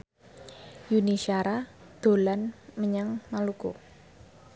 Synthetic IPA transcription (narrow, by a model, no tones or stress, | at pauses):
juniʃiaɾad̪̥o̤lanməɲaŋmalukṵ